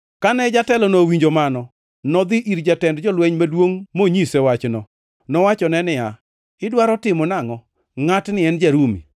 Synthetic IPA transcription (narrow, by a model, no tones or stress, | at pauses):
kanɛd͡ʒatɛlɔnowiɲd͡ʒomanɔ | nɔd̪ɪʔiɾd͡ʒatɛndd͡ʒɔlwɛɲmadwoŋmoɲisɛwat͡ʃnɔ | nɔwat͡ʃɔnɛnɪja | ɪdwaɾɔtɪmɔnaŋɔ | ŋatnɪɛnd͡ʒaɾumḭ